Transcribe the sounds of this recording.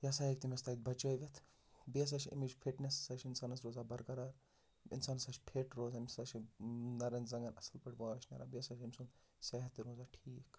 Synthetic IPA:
jɐsaːjek̚t̪imʲɐst̪aːit̪̚bɐt͡ʃoːʋʲɐt̪ʰ | biɐs̬aʃʰɐ̰mid͡ʒpʰeʈnʲessɐʃʰinsaːnɐsɾoːzaːbɐɾkɐɾaːɾ | ḭnsaːnɐsɐʃʰpʰeːʈɾoːzaːmsaʃʰinɐɾɐnzɐŋɡɐnɐsɐlpɐʈbaːɐʃʰnɐ̰ɾʔa̰biɐsɐʃʰimʲsun | sɐɦɐt̪iɾoːzaːʈʰiːk

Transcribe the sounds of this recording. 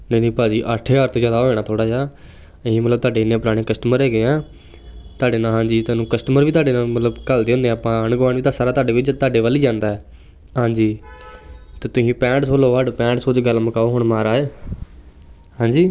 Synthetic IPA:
nenĩːpaːd͡ʒiːʔəʈʰeːɡaːɾt̪õːzjaːd̪aːɦoːeːnaːt̪ʰoːɽaːd͡ʒaː | ĩːmət̪ləb̚t̪aːɖeːɪnːẽːp̬ʊɾaːɽ̃ẽːkəsʈəməɾɦɛːɡeːãː | t̪ʊaːɖeːnaːɦãːɲd͡ʒiːt̪aːnũːkəsʈəməɾʋiːt̪̬aːɖeːnãːmət̪ləbkəld̪eːɦʊ̃ːnd̪ẽːpãːəɳɡʊʋaːnʋiːt̪̬ãːsaːɾaːt̪aːɖeːʋɪt͡ʃt̪aːɖeːʋaːliːd͡ʒãːnd̪aːɛː | ɦãːɲd͡ʒiː | t̪eːt̪ʊsĩːpɛ̃ːɳʈsoːloːʋaːɖpɛ̃ːɳʈsoːt͡ʃɡəlməkaːoːɦʊɳmaːɾaːeː | hãːɲd͡ʒiː

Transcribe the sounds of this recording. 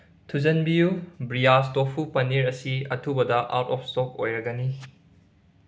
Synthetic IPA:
tʰuzɐnbiubɾijastopʰupɐniɾɐsiɐtʰubɐdɐʔa̰wtɔp̚ʰstok̚ojɾɐɡɐni

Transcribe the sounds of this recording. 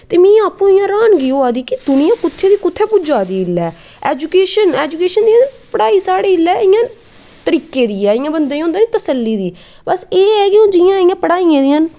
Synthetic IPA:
t̪eːmĩːaːpũːɪjãːɾaːnɡiːoːaːd̪iːkɪd̪ʊnɪ̃jãːkʊt̪ʰːeːd̪iːkʊt̪ʰːɛːpʊd͡ʒaːd̪iːɪlːɛː | ɛːd͡ʒʊkeːʃənɛːd͡ʒʊkeːʃənd̪iːpəɽaːiːsaːɽeːɪlːɛːɪjãː | t̪əɾiːkeːd̪iːɛːɪːjãːbənd̪eːĩõːnd̪aːnĩːt̪əsəlːiːd̪iː | bəseːɛːkɪõːd͡ʒɪjãːɪjãːpəɽaːiːãːd̪iːɦən

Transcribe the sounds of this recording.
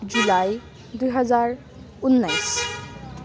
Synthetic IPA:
d͡ʒulaj | d̪ujɦʌzaɹ | unːajs

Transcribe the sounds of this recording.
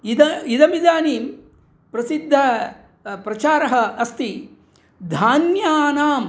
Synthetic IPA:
id̪ɐid̪ɐmid̪aːniːm | pɾɐsid̪ʱːɐ | pɾɐt͡ʃaːɾɐɦɐɐst̪i | d̪ʱaːnjaːnaːm

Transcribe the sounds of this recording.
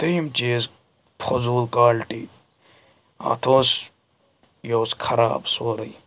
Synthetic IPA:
t̪ɐjmt͡ʃeːs | pʰozuːlkaːlʈi | ɐ̰t̪ʰoːs | joːskʰɐɾa̰ːbsoːɾɐj

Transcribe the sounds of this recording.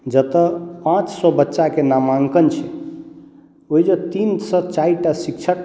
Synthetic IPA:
d͡ʒət̪əpãt͡ʃsɔbətːʃakenamaŋkənt͡ʃʰɛ | oɦid͡ʒət̪insət͡ʃaiʈasik̚t͡ʃʰək

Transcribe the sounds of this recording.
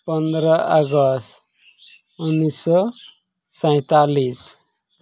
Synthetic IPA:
pɔnd̪ɾɔʔəɡɔst̪ | unːisɔ | sãj̃t̪alis

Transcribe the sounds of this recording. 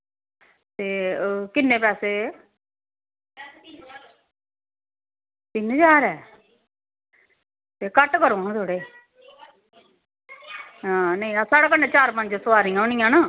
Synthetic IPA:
t̪eːkɪnːẽːpɛːseː | t̪ɪnd͡ʒaːɾɛː | t̪eːkəʈkəɾõːɦãːt̪ʰoːɽeː | ãːnəĩːasaːɽaːkənːeːt͡ʃaːɾmə̃nd͡ʒsʊaːɾĩːãːonɪ̃jãːnaː

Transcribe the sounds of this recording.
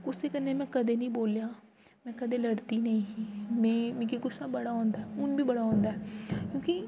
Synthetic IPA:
ɡʊsekɐɾnemɛ̃kɐd̪enɐɦĩboːlja | mɛ̃kɐd̪elɐɽt̪inɐɦĩɦĩmẽːmẽkiɡʊsːabɐɽaɦõːnd̪aɛʊnbʱibɐɽaɦõːnd̪aɦɛkjõːki

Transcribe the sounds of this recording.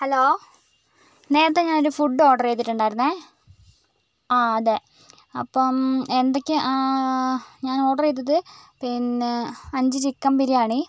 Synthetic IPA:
heloː | ne̞ːɾɐt̪ːeɲaːnoɾufuɖːo̞ːʈɐrejt̪̬ːiʈːuɳɖaːjiɾunːe | aɐðe | ɐ̰pːomend̪okʲːɨʔ | ɲaːno̞ːʈɐrejt̪̬ːɐðɨpinːeɐɲd͡ʑɨt͡ɕikːɐmpiɾijaːɳi

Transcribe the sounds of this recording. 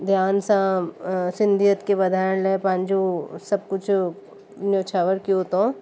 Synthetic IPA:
d̪ʱjaːnsãsɪ̃nd̪ijət̪keʋɐd̪ʱaːɾəɽlẽpãːnd͡ʒusɐb̚kʊt͡ʃʰ | njoːt͡ʃʰaːʋəɾkiot̪õ

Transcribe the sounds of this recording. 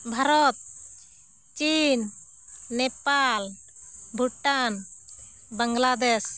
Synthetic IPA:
bʱaɾɔt̪̚ | t͡ʃinː | ɛpalbʱuʈan | bəŋɡlad̪ɛs

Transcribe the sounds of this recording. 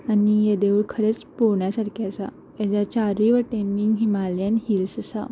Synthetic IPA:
anijed̪euɭkʰəɾet͡spoɾɳjasaɾkiasa | jad͡ʑat͡ɕaɾiʋəʈeniŋɡɦimaljanhilsəsa̰

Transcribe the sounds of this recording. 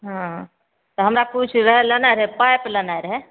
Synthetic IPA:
ɦãɦ | t̪ɔɦəmɾakut͡ʃʰɾəɦɛlənaɪɾɦɛpajplənajɾɦɛ

